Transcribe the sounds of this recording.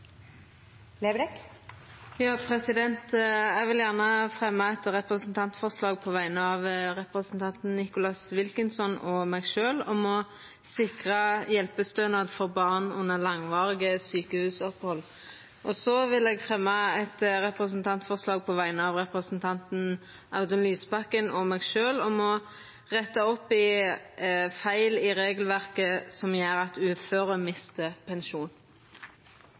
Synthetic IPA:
leːbɾɛk | jɑːpʰʁɛsɪd̪ɛnt̪ɛɡʋɪljæʁnəfʁɛmːəɛt̪ʁɛpʁəsnt̪ʰɑnt̪fɔʁslɑːɡ̚pʰɔʋæɪnəɑʋʁɛpɾəsnt̪ʰɑnt̪n̩nɪkʊlɑsʋɪlkɪnsɔnɔmæɪɡʃøːlɔmɔ | sɪkʁəjɛlpəst̪øːnɑd̪fɔʁbɑʁnʉ̰nːəlɑŋʋɑːʁɪɡəsyːkəhʉːsɔphɔlː | ʔɔsɔʋɪlɛːɡfʁɛmːɑɛt̪ʁɛpʁəs̬nt̪ʰɑnt̪fɔʁslɑːɡ̚pʰɔʋæɪnəɑʋʁɛpʁəsnt̪ʰɑnt̪n̩ | ʔɑʉd̪ənlyːspɑkːənɔmɛːɡʃøːlɔmɔ | ʁɛt̪ːɑɔpɪ | fæɪlɪʁeːɡlʋæʁkəsɔmjæːɾɑt̪ʉːføːʁəmɪst̪əpʰɛnʃuːn

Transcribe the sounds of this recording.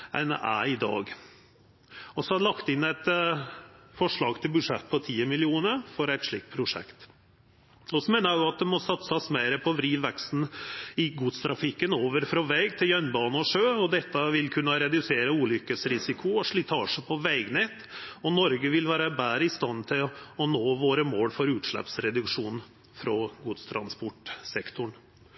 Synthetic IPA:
ɛ̰næ̰ɪd̪ɑ̰ːɡ | ɔsɔɑd̪ɛlɑkt̪ɪnːæɪt̪ | fɔʂɭɑːɡt̪ʰɪlbʉʂɛt̪ːpʰɔt̪ʰiːəmɪlɪuːnəfɔɾæɪt̪ʂɭiːk̚t̪̚pʰɾʊʂɛ̰kt̪ | ɔsɔmeːnəɾæjʊɑt̪̚d̪ɛmɔsɑt̪səɑsmæɪɾəpʰɔʋɾiːd̪ʋɛkst̪n̩ɪɡuːt̪st̪ʰɾɑfɪkːənoːʋəɾfɾɑʋɛɡt̪ʰɪljœnbɑːnəɔʂøːɔd̪ɛt̪ːəʋɪlkʰʉnːəɾɛd̪ʉseːɾəuːlʏkːəsɾɪsɪkʰʊɔʂɭɪt̪ʰɑːʂəpʰɔʋæɪɡnɛt̪ɔnɔɾɡəʋɪlʋæːɾəbæːɾəɪst̪ɑnt̪ʰɪlɔnoːʋoːɾəmoːɽfɔɾʉːt̪ʂɭɛ̰psɾɛd̪ʉkʂuːnn̩ | fɾɔɡuːt̪st̪ʰɾɑnspɔʈsɛkt̪ʊɳ

